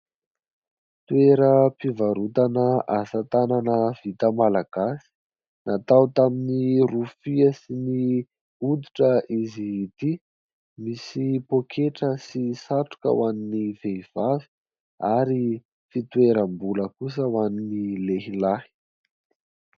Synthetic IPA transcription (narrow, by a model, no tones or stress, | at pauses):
t̪ueɾəpivaɾut̪anəasat̪ananəv̥it̪əmalaɡ̥asi̥ | nʔat̪awt̪aminirufiəsini | ud̪iʈ͡ʂəizit̪i | misipokʰeʈ͡ʂəsisaʈ͡ʂu̥kə̰waninivejv̥avi̥ | aɾi | fit̪weɾəmbuləkus̬əwaninileɦilahi̥